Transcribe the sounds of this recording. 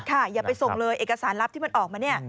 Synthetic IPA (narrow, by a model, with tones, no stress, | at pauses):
kʰa˥˩jaː˨˩pa˧jso˨˩ŋlɤː˧jʔeː˨˩ka˧saː˩˦nɾa˦˥p̚t̪i˥˩m˧nʔɔː˨˩k̚maː˧ni˦˥˩ɐ